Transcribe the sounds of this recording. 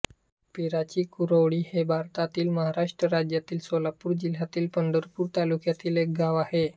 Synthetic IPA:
piɾat͡ɕiːkuɾəʋɽiːhebʱaɾt̪at̪iːlməɦaɾaʂʈɾəɾad͡ʑjat̪iːlsolapuːɾd͡ʑil̤jat̪iːlpənd̪əɾpuːɾt̪alukjat̪iːlek̚ɡaʋahe

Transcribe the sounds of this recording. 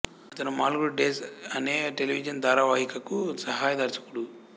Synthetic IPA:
ɐt̪ɐnumaːlɡuɽuɖeːsɐneːʈeliʋid͡ʒɐnd̪aːɾaːʋɐɦikɐkusɐɦaːjɐd̪ɐɾt͡ʃɐ̥kuɽu

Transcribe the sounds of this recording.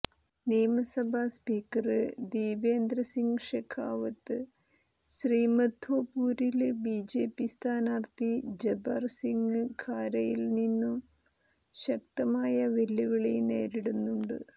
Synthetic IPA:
neːmɐsɐbʱaspiːkːɐrɨd̪iːʋeːnd̪ɾɐsiŋɡɨʂekʰːaːʋɐt̪ːɨ | ɕriːmɐd̪ʱoːpuːɾilbiːd͡ʑe̞ːpist̪ʰaːnaːrt̪id͡ʑebɐrsiŋɡɨkʰaːɾɐjilninːum | ɕɐk̚t̪ɐmaːjɐʋelːuɣɐɭene̞ːɾiɽunːuɳɖɨ̰

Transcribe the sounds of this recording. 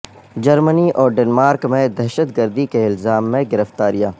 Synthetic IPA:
d͡ʒɐɾməniʔɔːɾɖeːnmaːɾkmẽd̪ɛːʃət̪ɡəɾd̪ikeɪlzaːmːẽɡɪɾəft̪aːɾijaː

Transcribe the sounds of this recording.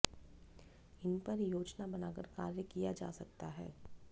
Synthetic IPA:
ɪnpɐɾjoːd͡ʒnabɐnaːkəɾkaːɾjəkijad͡ʒaːsɐk̚t̪aɦɛː

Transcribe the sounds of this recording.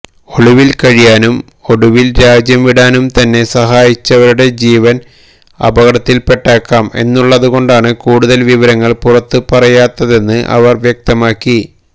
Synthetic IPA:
o̞ɭiʋilkɐɻijaːnum | o̞ɽuʋilɾaːd͡ʑjɐmʋiɽaːnumt̪ɐnːe̞sɐɦaːjit͡ɕːɐʋɐɾuɽe̞d͡ʑiːʋɐn | ɐ̰bɐɣɐɽɐt̪ːilpe̞ʈːaːkːaːme̞̰nːuɭːɐðuɣo̞ɳɖaːɳɨkuːɽuðɐlʋiʋɐɾɐŋːɐɭpurɐt̪ːɨpɐrɐjaːt̪ːɐðe̞nːɨʔɐ̰ʋɐrʋjɐk̚t̪ɐmaːkːi

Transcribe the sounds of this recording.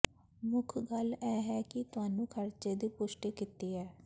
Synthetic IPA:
mʊkʰɡəlɛːɦɛːkɪt̪ʊɦaːnũːkʰəɾt͡ʃeːd̪iːpʊʃʈiːkɪt̪iːɦɛː

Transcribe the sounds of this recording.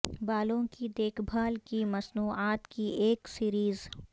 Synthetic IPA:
baːlõkid̪eːkʰbʱaːlkimɐsnuːaːt̪kieːksiːɾiːz

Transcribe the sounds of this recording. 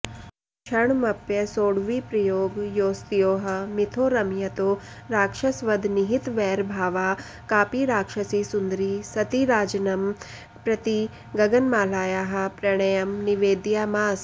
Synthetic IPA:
ʃʰɐɳmɐpjɐsoːɽʋiːpɾɐjoːɡjoːst̪ijoːɦɐ̆mit̪ʰoːɾɐmjɐt̪oː | ɾaːkʂɐsʋɐd̪ʱniɦit̪ʋɛːɾbʱaːʋaː | kaːpiɾaːkʂɐsisund̪ɾisɐt̪iɾaːd͡ʒɐnɐm | pɾɐt̪i | ɡɐɡɐnmaːlaːjaːɦɐ̆pɾɐɳ̃ɐjɐmniʋeːd̪jaːmaːs

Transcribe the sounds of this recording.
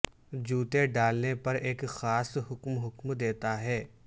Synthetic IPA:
d͡ʒuːt̪eɖaːlnepɐɾeːkxaːsɦʊkmɦʊkmd̪eːt̪aɦɛː

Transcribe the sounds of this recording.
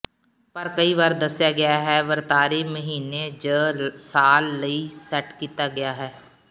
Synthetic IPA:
pəɾkəiːʋaːɾd̪əsjaːɡɪjaːɦɛːʋəɾt̪aːɾiːməɦiːneːd͡ʒəːsaːlːəiːsɛːʈkiːt̪aːɡɪjaːɦɛː

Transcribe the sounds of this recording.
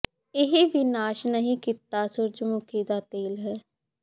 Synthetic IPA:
ɪɦeːʋiːnaːʃnəɦĩːkiːt̪ːaːsʊɾd͡ʒmʊkiːd̪aːt̪eːlɦɛː

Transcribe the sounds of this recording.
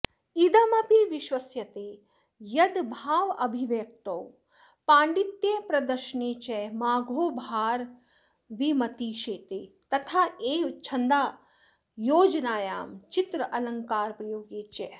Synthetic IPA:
id̪ɐmɐpiʋiʃʋɐsjɐt̪eː | jɐd̪bʱaːʋɐbʱiʋjɐk̚t̪ɐw | paːɳɖit̪jeːpɾɐd̪ɐɾʃneːt͡ʃɛmaːɡʱoːbʱaːɾ | ʋimɐt̪iːʃeːt̪eː | t̪ɐt̪ʰaːeːt͡ʃʰɐnd̪aː | joːd͡ʒɐnaːjaːmt͡ʃit̪ɾɐʔɐlɐŋkaːɾpɾɐjoːɡeːt͡ʃɛ

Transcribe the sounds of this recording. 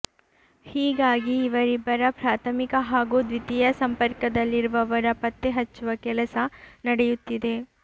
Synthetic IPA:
hiːɡaːɡiːʋɐɾibɐɾɐpɾaːt̪ʰɐmikɐɦaːɡuːd̪ʋit̪ijɐsɐmpɐɾkɐd̪ɐlːiɾuʋɐʋɐɾɐpɐt̪ːeɦɐt͡ʃːuʋɐkɛlɐsɐnɐɽɛjut̪ːid̪e̞

